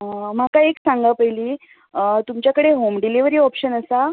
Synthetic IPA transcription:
m̤akaeksãŋɡapəɦiliː | t̪umt͡ɕjakəɽeɦomɖiliʋəɾiːɔpɕənəsa

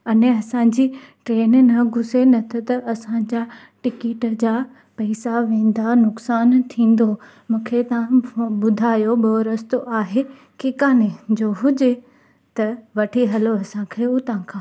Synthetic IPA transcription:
ɐneɐsãd͡ʑiːʈɾeːnnɐɡʱʊsenɐt̪ʰot̪ɐɐsãd͡ʑa | ʈɪkeːʈd͡ʑaː | pɐːsaʋẽːn̆d̪anʊksaːnt̪ʰĩːn̆d̪o | mũːkʰet̪ɐʋãɓʊd̪ʱaːjoɓoɾɐst̪oʔaːɦe | keːkaːned͡ʑoːɦʊd͡ʑe | t̪ɐʋɐʈʰiɦɐloɐsãkʰeːut̪ɐʋ̤ãkʰãː

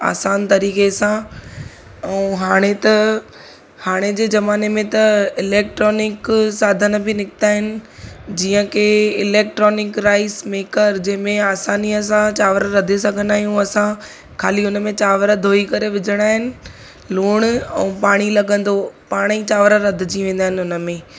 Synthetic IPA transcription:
a̰ːsaːnt̪ɐɾiːkesã | ɛ̃ɦaːɽ̃et̪ɐ | haːɽ̃ed͡ʑeːzɐmaːnemẽt̪ɐɪleːk̚ʈɾɔːnɪksaːd̪ʱən̆bʱɪnɪkɪ̥t̪aːɦɪnɪ̆d͡ʑiːə̃kʰeɪleːk̚ʈɾɔːnɪkɾaːɪsmeːkəɾd͡ʑɐ̃ɦɪ̃mẽaːsaːniɐsãt͡ɕaːʋɾəɾɐd̪ʱes̬ɐɡʱə̃nd̪aːɦijũɐsã | kʰaːliʊnəmẽt͡ɕaːʋɾəd̪ʱoːikɐɾeʋɪd͡ʑʱəɽ̃aːɦɪnɪ̆ | luːɽ̃ɛ̰̃ːpaːɽ̃ilɐɡə̃nd̪opaːɽ̃it͡ɕaːʋəɾəɾɐd̪ʱɪd͡ʑiʋẽːnd̪aːɦɪnɪʊnə̆mẽː

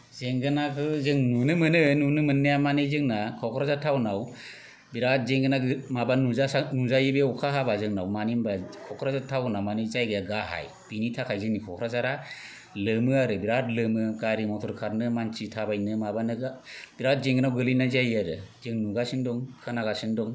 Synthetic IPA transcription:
zeŋɡɯnakʰɯzɯŋnunɯmɯnɯnunɯmɯnːijamanizɯŋnakʰɔkʰɾazatʰawnaw | biɾat̚zeŋɡɯnaɡmabanːuzanuzajɯbeɔkʰaɦabazɯŋnawmanimbakʰɔkʰɾazatʰawnamanizajɡɯjaɡaha̰j | b̥initʰakʰajzɯŋnikʰɔkʰɾazaɾa | lɯmɯaɾɯbiɾatlɯmɯɡaɾimɔtʰɔɾkʰaɾnɯmansitʰabajnɯmabanbiɾat̚zeŋɡɯnawɡɯlinazajaɾɯzɯŋnuɡasindɔŋkʰɯnaɡasɯndɔŋ

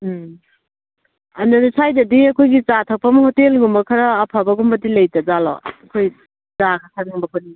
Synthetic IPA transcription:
ɐndaɾisajdɐdiɐkʰojɡit͡ʃatʰɐk̚pɐmɐhotelɡumbɐkʰɐɾɐːpʰabɐɡumbɐdilɐjtɐzalɔ̰ɐkʰoj | zakʰasʰanŋumbɐkʰoni

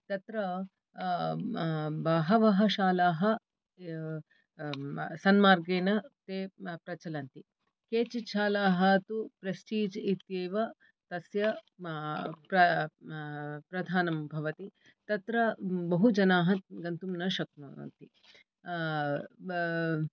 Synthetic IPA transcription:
t̪ɐt̪ɾɐ | bɐɦɐʋɐɦɐʃaːlaːɦɐ | sɐnmaːɾɡeːnɐt̪eːpɾɐt͡ʃɐlɐnt̪i | keːt͡ʃit͡ʃʰaːlaːɦɐt̪upɾesʈiːd͡ʒit̪jeːʋɐ | t̪ɐsjɐ | pɾɐ | pɾɐd̪ʱaːnɐmbʱɐʋɐt̪i | t̪ɐt̪ɾɐbɐɦud͡ʒɐnaːɦɐɡɐnt̪umnɐʃɐk̚nṵnt̪i

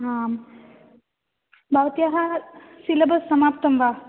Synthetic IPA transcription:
ɦaːm | bʱaːʋt̪ijaɦɐ | silɐbɐsːɐmaːp̚t̪ɐmʋaː

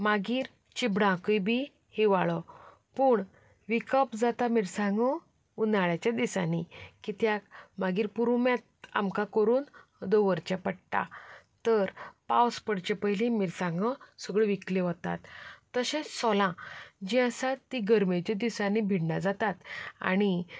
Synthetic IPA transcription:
maɡiːɾ | t͡ɕibɽãkubʱi | hiʋaɭə | puːɳ | ʋikəpd͡zat̪amiɾsãŋɡə | unaɭjat͡ɕad̪isanikit̪jakmaɡiːɾpuɾumjat̪̚a̰mkakəɾuːn | d̪oʋəɾt͡ɕapəɽʈ̪a̰ | t̪əɾpawspəɽt͡ɕepəɦjlĩmiːɾsãŋɡəsəɡɭəʋikleʋət̪a̰t̪ːəɕẽsɔlãd͡ʑĩəsat̪ːiɡəɾmet͡ɕed̪isãnibʱiɽnad͡zat̪at̪a̰ɽ̃i

